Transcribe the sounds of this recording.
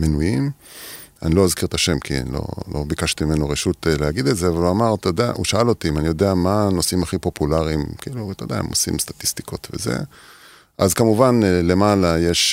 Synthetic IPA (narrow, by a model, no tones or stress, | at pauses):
menujim | a̰nilo̞azkiʁt̪aʃe̞mkʰḭlo̞̰lʔo̞̰bikaʃt̪imime̞noʁeʃut̪lehaɡid̪etzeavaluamaʁt̪od̪ea̰ʔṵʃaalot̪imanijo̞d̪eamano̞simaχipo̞pulaʁimkiilut̪od̪ea̰ḛmosḭmst̪ḁt̪ist̪i̥ko̞t̪ve̞̰ze̞̰ | ʔazkamuvanle̞malajeʃ